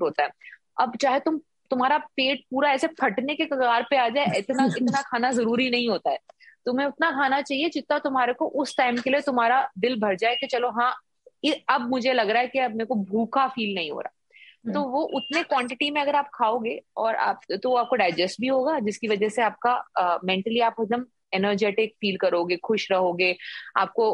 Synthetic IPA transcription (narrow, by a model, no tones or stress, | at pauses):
oːt̪aɦɛː | ɐbt͡ʃaːɦet̪ʊm | t̪ʊmɦaːɾapeːʈ̚puːɾaɛːsepʰɐʈnekekɐɡaːɾpeaːd͡ʒaːeɪt̪naʔɪt̪nakʰaːnazɐɾuːɾinɐɦĩɦoːt̪aɦɛːt̪ʊmẽʊt̪nakʰaːnat͡ʃaːɦied͡ʒɪt̪nat̪ʊmɦaːɾekoʔʊsʈaːɪmkeliet̪ʊmɦaːɾad̪ɪlbʱɐɾd͡ʒaːek̪et͡ʃɐloɦãː | ɪɐbmʊd͡ʒʱelɐɡɾaɦɛkiɐb̚meːɾkobʱuːkafiːlnɐɦĩɦo̰ːɾaː | t̪oːʋoʔʊt̪nekwɔ̃ːɳʈɪʈimẽɐɡəɾaːp̚kʰaːoːɡeːɔːɾa̰ːpt̪oʋoaːp̚koɖaːɪd͡ʒɛsʈ̚bʱiɦoːɡaːd͡ʒɪskiʋɐd͡ʒɛseaːp̚kamɛ̃ɳʈəliaːpɪk̚d̪əm | enəɾd͡ʒeːʈɪkfiːlkɐɾoːɡeːxʊʃɾɐɦoːɡeːa̰ːp̚ko